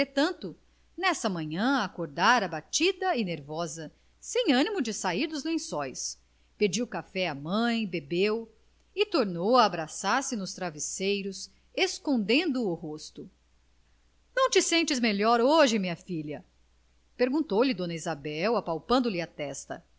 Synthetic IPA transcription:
et̪ɐ̃nt̪ʊ | nɛsɐmɐ̃ɲɐ̃akoɾd̪aɾɐbat͡ʃid̪ɐineɾvɔzɐ | sẽj̃ɐ̃nimʊd͡ʒɪsaiɾd̪ʊzlẽsɔjs | ped͡ʒiwkafɛɐmɐ̃j̃bebew | ɪt̪oɾnowaːbɾasaɾsɪnʊst̪ɾavisejɾʊs | eskõnd̪ẽnd̪ʊːɦost̪ʊ | nɐ̃w̃t͡ʃɪsẽnt͡ʃɪzmeʎɔɾoʒɪmĩɲɐfiʎɐ | peɾɡũt̪owlɪd̪õnɐizabɛwapawpɐ̃nd̪ʊlɪat̪ɛst̪ɐ̰

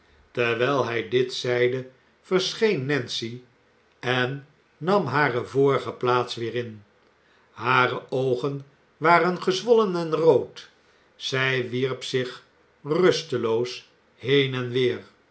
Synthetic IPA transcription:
tɛɹʋɛlˠɦɛjdɪtsɛjdə | v̥əɹsχejnːɛnsi | ɛnː | ɑmɦaːrəvoːɹəχəplaːtsʋɪːɾɪn | haːrəʔowχən | ʋaːrənχəzʋɔlənɛnrowt | z̥ɛjʋiɹpsɪχ | rɵstəlows | ɦejnɛnʋɪːr

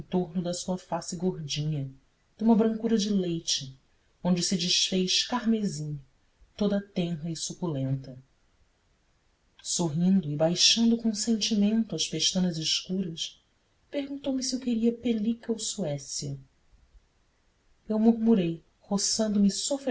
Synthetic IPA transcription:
ẽnt̪oɾnʊd̪ɐsuɐfasɪɡoɾd͡ʒĩɲɐ | d̪ũmɐbɾɐ̃ŋkuɾɐd͡ʒɪlejt͡ʃɪ | õnd͡ʒɪsɪd͡ʒiʃfejʃkaɾmezĩɲɐ | t̪od̪ɐt̪ɛ̃ɦɐɪsukulẽnt̪ɐ | soɦĩnd̪ʊɪbajʃɐ̃nd̪ʊkõsẽnt͡ʃimẽnt̪ʊɐʃpeʃt̪ɐ̃nɐzɪʃkuɾɐs | pehɡũnt̪owmɪsiewkeɾiɐpelikɐowsuɛsiɐ | ewmuɾmuɾej | hosɐ̃nd̪ʊmɪsofɾ

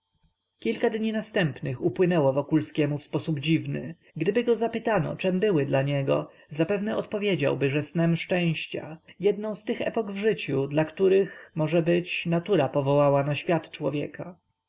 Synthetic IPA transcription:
kʲilkad̪ɲinast̪ɛmpnɘxupwɘnɛwɔvɔkulskʲɛmufspɔsubd͡ʑivnɘ̰ | ɡd̪ɘbɘɡɔzapɘt̪anɔ̰t͡ʂɛmbɘwɘd̪laɲɛɡɔ̰ | zapɛvnɛɔt̪pɔvʲjed͡ʑa̰wbɘʐɛsnɛmʂt͡ʂɛ̃w̃ɕt͡ɕa̰jɛd̪nɔ̃w̃st̪ɘxɛ̰pɔɡvʐɘt͡ɕud̪lakt̪uɾɘxmɔʐɛbɘt͡ɕnat̪uɾapɔvɔwawanaɕfʲjat̪t͡ʂwɔvʲjɛ̰ka

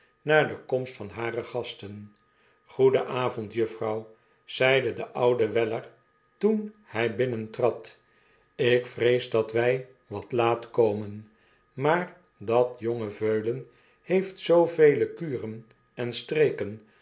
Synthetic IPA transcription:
naːɹdəkɔmstfɑnɦaːrəχɑstən | χudəʔaːvɔntjɵfrɑw | z̥ɛjdədəʔʌwdəʋɛləɹ | tunhɛjbɪnəntrɑt | ɪkfrejzdɑtʋɛj | ʋɑtlaːtkowmən | maːɹ | dɑtjoŋəvøɥlən | hejftsowvejləkyːrən | ɛnstrejkən

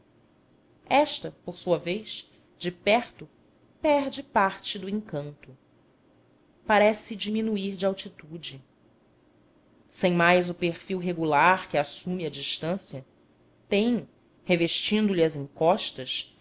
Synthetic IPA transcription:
ɛʃt̪ɐpoɾsuɐvejs | d͡ʒɪpɛɾt̪ʊ | pɛɾd͡ʒɪpaɾt͡ʃɪd̪ʊẽŋkɐ̃nt̪ʊ | paɾɛsɪd͡ʒimĩnuiɾd͡ʒɪawt͡ʃit̪ud͡ʒɪ | sẽj̃majzʊpeχfiwɦeɡulaɾkɪasumɪɐd͡ʒiʃt̪ɐ̃sjɐ | t̪ẽj̃ | heveʃt͡ʃĩnd̪ʊliɐzĩŋkɔʃt̪ɐʃ

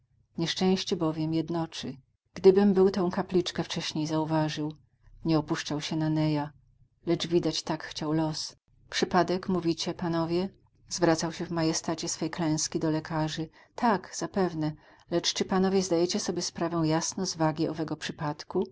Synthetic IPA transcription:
ɲɛʂt͡ʂɛ̃w̃ɕt͡ɕɛbɔvʲjɛmjɛd̪nɔt͡ʂɘ | ɡ̥d̪ɘbɘmbɘwt̪ɔ̃w̃kaplʲit͡ʂkɛft͡ʂɛɕɲejzauvaʐɘw | ɲɛɔpuʂt͡ʂawɕɛnanɛja | lɛt͡ʂvʲid̪at͡ɕt̪akxt͡ɕawlɔs | pʂɘpad̪ɛkmuvʲit͡ɕɛpanɔvʲjɛ | z̥vɾat̪sawɕɛvmajɛst̪at͡ɕɛsfɛjklɛ̃w̃skʲid̪ɔlɛkʰaʐɘ | t̪ʰakz̥apɛvnɛ | lɛt͡ʂt͡ʂɘpanɔvʲjɛzd̪ajɛt͡ɕɛsɔbʲjɛspɾavɛ̃w̃jasnɔ̃zvaɡʲiʔɔvɛɡɔpʂɘpat̪ku

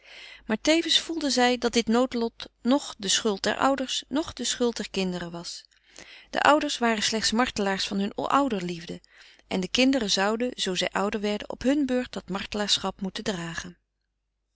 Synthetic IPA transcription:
maːɹtejvənsfulˠdəzɛjdɑt̚dɪtnowtlɔtnɔχdəsχɵlˠt̚dɛ̰ɹʔʌ̰wdəɹsnɔχdəsχɵlˠt̚dɛɹkɪndərəʋɑs | d̥ə̰ʔʌwdəɹsʋaːrənslɛχtsmɑɹtəlaːɹsfɑnɦɵn̰ʔʌwdəɹlivdə | ʔɛndəkɪndərəzʌwdənz̥owzɛjʔʌwdəɹʋɛɹdə̰nɔ̰pɦɵnbøːɹt̚dɑtmɑɹtəlaːɹsχɑpmutədraːχən

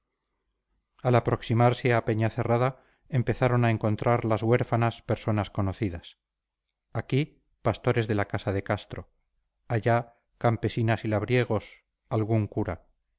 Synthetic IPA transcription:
alapɾo̞ksimaɾseape̞ɲaθe̞raða | empe̞θaɾo̞naeŋko̞nt̪ɾaɾlazɣwe̞ɾfanaspe̞ɾso̞nasko̞no̞θiðas | aki | past̪o̞ɾe̞zðe̞lakasaðe̞kast̪ɾo̞ | aʝa | kampe̞sinasilaβ̞ɾje̞ɣ̞o̞s | alɣuŋkuɾa

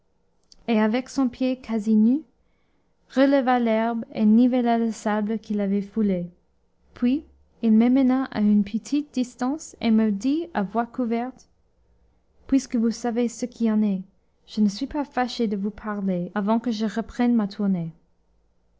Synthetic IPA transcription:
eavɛksɔ̃pʰjekʰaziny | ʁələvalɛʁbḛnivəlaləsabləkilavɛfule | pʰɥi | ilmɛmənaʔa̰ynpʰət̪ʰit̪̚d̪̥istɑ̃seməd̪iavwakuvɛʁt̪ | pwiskəvusavesəkʰiɑ̃nɛ | ʒ̥ənəsɥipafaʃed̪əvupʰaʁleavɑ̃kəʒəʁəpχɛnmat̪ʰuʁne

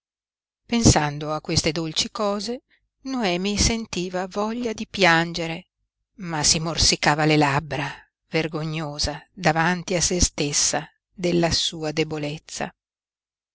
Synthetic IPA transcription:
pensand̪oakːwest̪ed̪olt͡ʃikɔːze | noɛːmisent̪iːvavɔʎːad̪ipjand͡ʒeɾe | masimorsikaːvalelabɾa | verɡoɲːoːzad̪avant̪iasest̪esːa | d̪elːasuːad̪ebolet̪sːa̰

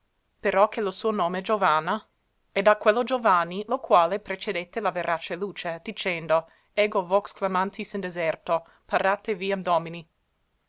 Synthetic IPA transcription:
peɾɔk̟elosuːonoːmed͡ʒovana | ɛd̪akwelːod͡ʒovanːilokwaːlepɾet͡ʃed̪et̪ːelaveɾʔat͡ʃeluːt͡ʃed̪̥it͡ʃɛnd̪o | ɛːɡovɔksklamant̪ʰisind̪ezɛrt̪o | parat̪eviand̪ɔmini

